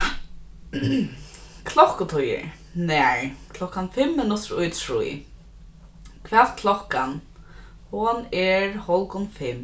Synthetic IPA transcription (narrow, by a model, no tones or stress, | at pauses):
kʰlɔhkʊt̪ʰʊjɪ̰ɹ | nɛɹkʰlɔhkanfɪmːɪnʊt̪ɾʊjt̪ʰɹṵː | kʰvɛːt̪kʰlɔhkan | hʊnɛɹhɔlkʊnfɪm